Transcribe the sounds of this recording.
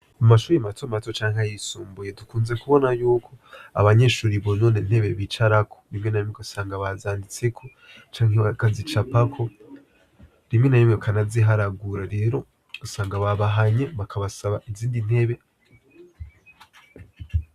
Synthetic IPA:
umaʃuːɾimatʰomatot͡ʃaːŋhajisuːmbuje̞dukuːnze̞kuβo̞najuːkʰo̞a̰βaɲe̞ʃuːɾiβono̞ːnen̥he̞βe̞βit͡ʃaɾakʰoβimŋe̞najimŋeasaːŋɡaβazaːndit͡se̞kʰo̞ | t͡ʃaːŋekazit͡ʃapakʰo̞ | βimŋe̞najimekʰanaziɦaɾaɡuɾaɾe̞ːɾo̞ | osaːŋɡaβaβaɦaɲeβakʰaβasaβaʔiziːndin̥he̞βe̞

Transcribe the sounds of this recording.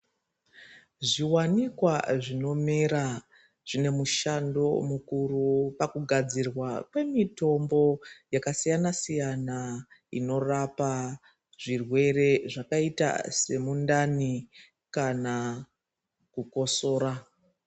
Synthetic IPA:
ʐiwanikwaʐino̞meɾa | ʐ̥ine̞muʃando̞mukurupakuɡʱad͡zirwakwe̞mito̞mbo̞jakasijanasijanaino̞rapa | ʐ̥irwe̞re̞ʐakaita̰se̞mundani | kana | kuko̞so̞ːra

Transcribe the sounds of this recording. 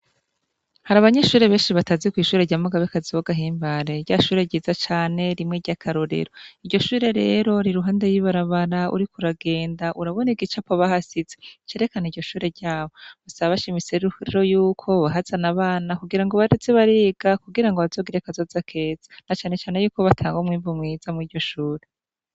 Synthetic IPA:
haɾaβaɲe̞ʃuːɾe̞βe̞ːnʃiβatazikwiːʃuːɾe̞ɾɟaːmuɡaβekaziwoɡaɦiːmbaɾeɾɟaʃuːɾe̞ɟiːzat͡ʃaːne̞ɾimŋeɾɟakʰaɾoɾḛɾo̞iɾɟo̞ʃuːɾe̞ɾe̞ːɾo̞ɾiɾuɦaːndejiβaɾaβaɾaṵɾikuɾaɡe̞ːndaʔuɾaβo̞niɡit͡ʃapoβahasizet͡ʃeːɾe̞kaniɾɟo̞ʃuːɾe̞ɾɟaːβo̞βusaβaβaʃimiseɾiɾo̞juːkʰo̞βaɦazanaβaːnakuɡiɾaŋɡoβaɾet͡seβaɾeːɡakuɡiɾaŋɡoβazo̞ːɡiɾekazo̞zakʰe̞ːz̥ḁnat͡ʃaːne̞t͡ʃaːne̞juːko̞βatʰaːŋɡomŋiːɱvumŋiːzamŋiːdɟo̞ʃuːɾe̞

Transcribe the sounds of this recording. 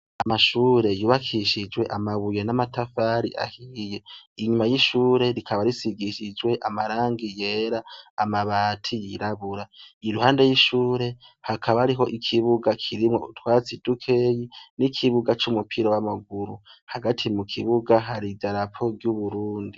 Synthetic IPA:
amaʃuːɾe̞juːβakʰiʃid͡ʒwe̞ʔamaβuje̞namatafaɾḭʔa̰hije̞iɲumajiʃuːɾe̞ɾikʰaβaɾisiɡiʃid͡ʒwe̞ʔamaɾaːŋɡije̞ːɾaːmaβaːtʰijiɾaβuɾaiɾuhaːnde̞jiʃuːɾe̞hakʰaβaaɾiɦo̞ʔikʰiβuɡakʰiɾimŋo̞̰utwaːt͡sid̥ukʰe̞jinikʰiβuɡat͡ʃumupʰiɾowamaɡuɾuhaɡatʰimukʰiβuɡaɦaɾidaɾapʰo̞ɡjuβuɾuːndi

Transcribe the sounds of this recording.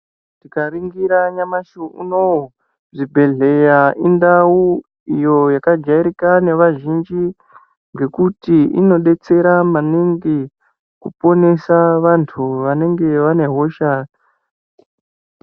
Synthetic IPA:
tikaʋiŋɡiɾaɲamaʃuʔṵno | ʐibʱe̞ɮe̞jaʔindau | ijo̞jakad͡ʒaiɾikane̞ʋaʒind͡ʒi | ŋɡe̞kutiino̞ɗe̞t͡se̞ɾamaniŋɡi | kupo̞ne̞saʋantʰuʋane̞ŋɡe̞ʋane̞ɦo̞ʃa

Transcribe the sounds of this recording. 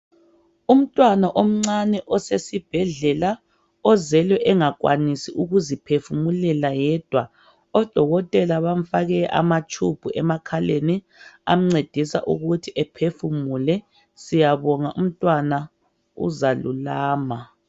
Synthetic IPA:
um̩tʼwanaʔom̩ŋ͡ǀanɛʔɔsesib̥ʱɛɮɛla | ɔzɛlɛʔɛŋak̬ʼwa̰nisiʔuɣuzipʰefumulɛlajɛːd̥ʱwa | ɔd̥ʱɔɣɔtʼɛlaβam̩faɣɛʔa̰mat͡ʃʼʰub̥ʱuʔɛmakʰaleni | a̰m̩ŋ͡ǀed̥ʱisa̰ʔṵɣutʰiʔɛpʰefumulɛ | sijaβɔŋaʔṵm̩tʼwana | ṵzalṵlaːma

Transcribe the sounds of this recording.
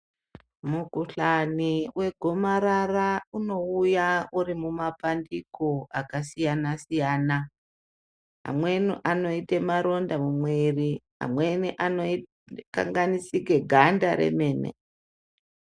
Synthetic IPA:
mukuɬaniwʔe̞ɡʱomaɾarauno̞ujaurimumapandikoakasijanasijaːna | ɦa̰mwe̞niʔano̞itemaɾo̞ndamumweriɦa̰mweniʔanoi | ka̰ŋɡanisiɡʱe̞ɡʱandaɾḛme̞ːnḛ

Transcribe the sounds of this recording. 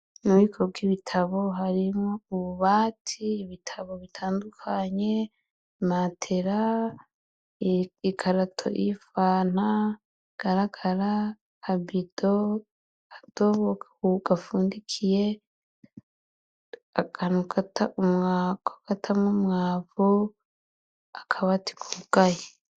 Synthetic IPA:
nuβikʰobɡiβitʰaβo̞ɦaɾimŋouβuβaːtʰiːβitʰaβo̞βitʰaːndukʰaɲe̞ | matʰeɾa | ikʰaɾatʰo̰ʔifaːn̥a | ɡ̥aɾaɡaɾaː | bid̥o | ad̥oβo | uɡafuːndikʰije | akanuɡataumŋakoɡ̥atʰamŋumŋaːvu | akʰaβati̥kʰuuɡ̥aje

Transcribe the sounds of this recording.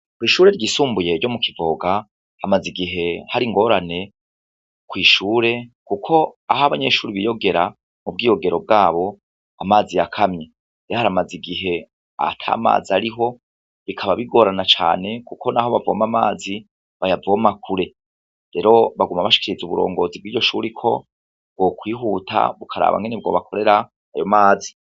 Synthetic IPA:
kwiːʃuːɾe̞ɾɟiːsuːmbuje̞ɾɟo̞mukʰivoɡa | hamaziɡiɦe̞haɾiŋɡo̞ɾane̞ | kwiːʃuːɾe̞kukʰo̞aɦaβaɲe̞ʃuːɾiβijo̞ɡe̞ɾa | mub̚ɡiːjo̞ɡe̞ɾo̞b̚ɡaːβo̞ | amaːzijakʰamɲe | ejohaɾamaziɡiɦe̞ | a̰tʰa̰ːma̰ːziaɾiɦo̞ | βikʰaβaβiɡo̞ːɾanat͡ʃa̰ːne̞kukʰo̞naɦo̞βavoːmamaːzi | βajavomakʰuɾe̞ | ɾe̞ːɾo̞βaɡumaβaʃi̥kiɾizuβuɾo̞̰ːŋɡo̞ːzibɡiːɟo̞ʃuːɾikʰo̞̰ | b̥̚ɡ̥okwiːɦuːtʰa̰βukʰaɾa̰ːβa̰ŋɡe̞neb̚ɡo̞̰ːβakʰo̞ɾe̞ɾa | ajo̞maːzi̥

